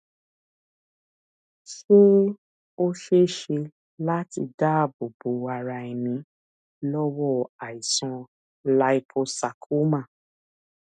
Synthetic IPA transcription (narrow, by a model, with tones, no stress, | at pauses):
ʃo˦ | o˦ʃe˦˨ʃe˧ | la˦ti˧da˦˨bo˨bo˨˦a˧ɾa˧ɛ˨mĩ˨˧˦ | lɔ˦wɔ˦˨a˨i˨sɔ̃˧ | la˧˦i˧pʰo˧sa˨kʰu˨˦mã˦˨